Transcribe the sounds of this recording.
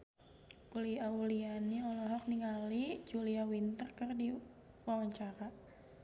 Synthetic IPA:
uliaulianiɔlɔɦɔk̚niŋalid͡ʒuliawint̪ərkərdi | wawaɲt͡ʃaɾa

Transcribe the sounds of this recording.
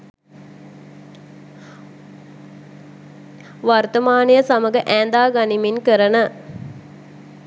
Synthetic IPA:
ʋart̪əmaːnejəsaməɡəʔæːnd̪aːɡɐniminkəɾənə

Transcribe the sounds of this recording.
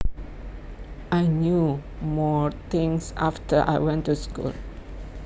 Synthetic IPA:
ʔajnjumɔt̪ɪ̃ŋsaftəʔa̰jwɛ̃ntːuskṵl

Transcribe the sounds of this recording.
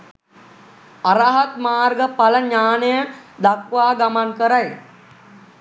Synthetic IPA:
aɾaɦat̪maːrɡəpaləɲaːnəjəd̪akʋaːɡamankəɾaj

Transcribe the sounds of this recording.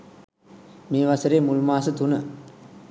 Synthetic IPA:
miːʋɐsɐɾeːmulmaːsɐt̪unɐ

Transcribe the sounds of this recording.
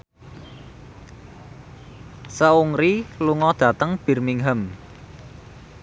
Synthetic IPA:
səuŋɾiluŋɔd̪̥ä̤t̪əŋb̥i̤rmiŋɦəm

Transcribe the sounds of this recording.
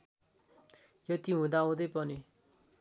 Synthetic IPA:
jʌt̪iɦũd̪aũd̪ʌjpʌni

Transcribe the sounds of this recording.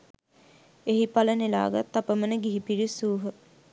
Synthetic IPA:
eɦipalənela̰ːɡat̪ːapəmənəɡiɦipiɾisuːɦə

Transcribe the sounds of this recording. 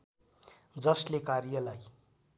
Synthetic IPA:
d͡zʌslekaɾijʌlaj

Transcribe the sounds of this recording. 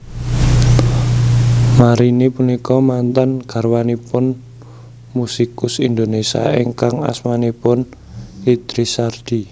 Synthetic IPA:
maɾinipunikɔmant̪anɡ̥a̤rwanipʊn | musikʊsind̪onesia̰eŋkaŋa̰smanipʊn | hid̪̥ɾisard̪̥i

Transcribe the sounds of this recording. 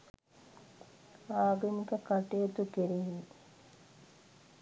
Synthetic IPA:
aːɡəmikəkaʈejet̪ukeɾiɦi

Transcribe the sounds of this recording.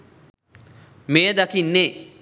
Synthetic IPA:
mejəd̪akinːeː

